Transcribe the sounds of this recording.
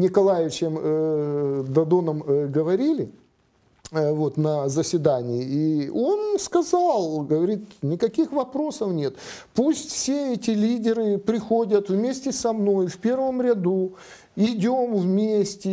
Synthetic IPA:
nʲɪkɐlˠajɪvʲɪt͡ɕɪm | d̪ɐd̪onəmɡəvɐɾʲilʲɪ | vo̞t̪nɐzəsʲvʲɪd̪anʲɪɪio̞nskɐzɑlˠɡəvɐɾʲit̪nʲɪkɐkʲixvɐpɾo̞səfnʲe̞t̪pusʲtʲfsʲeɛtʲɪlʲidʲɪɾɨpɾʲɪxo̞dʲət̪vmʲesʲtʲɪsɐmnojfpʲe̞rvəmɾʲɪd̪u | ɪdʲo̞mvmʲesʲtʲɪ

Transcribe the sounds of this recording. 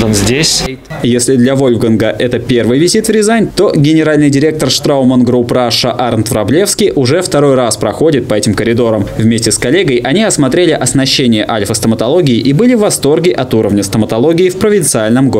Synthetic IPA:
ənzʲdʲesʲ | jesʲlʲɪd̪lʲɐvo̞lʲvɡənɡəʔɛt̪əpʲe̞rvɨjvʲɪzʲit̪vɾʲɪzajnʲt̪o̞ɡʲɪnʲɪɾalʲnɨjdʲɪɾʲe̞k̚t̪ərʂt̪ɾaʊmənɡɾupɾaʂəʔarnt̪vɾɐblʲe̞fskʲɪjʔʊʐɛft̪ɐɾo̞jraspɾɐxo̞dʲɪt̪̚pɐɛtʲɪmkəɾʲɪd̪o̞ɾəmvmʲesʲtʲɪskɐlʲeɡəjʔɐnʲiɐsmɐt̪ɾʲelʲɪʔɐsnɐɕːenʲɪjəʔalʲfəst̪əmət̪ɐlˠo̞ɡʲɪɪʔibɨlʲɪvːɐst̪o̞rɡʲɪʔɐt̪uɾəvnʲəst̪əmət̪ɐlˠo̞ɡʲɪːfpɾəvʲɪnt̪sɨalʲnəmɡo

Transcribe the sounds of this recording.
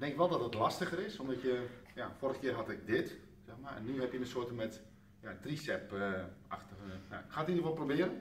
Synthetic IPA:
dɛŋkɪkʋɛlˠdɔtətlastəɣəɾɪsomdɔtjəjaforəxəkɪərɦatɪk̚dɪt | sɛxmaɛ̰nːyɦɛpjənəsoətəmɛt | jatrisɛpəaxtəja̰xaːtindərʋɔlˠprobɪəɾən

